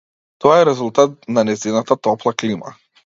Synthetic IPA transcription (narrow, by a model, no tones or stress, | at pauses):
t̪ɔaɛɾɛzulˠt̪at̪̚nanɛzinat̪at̪ɔplˠaklima̰